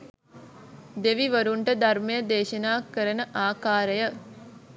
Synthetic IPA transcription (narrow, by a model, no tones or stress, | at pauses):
d̪eʋiʋəɾuɳʈəd̪armejəd̪eːʃənaːkːəɾənəʔaːkaːɾəjə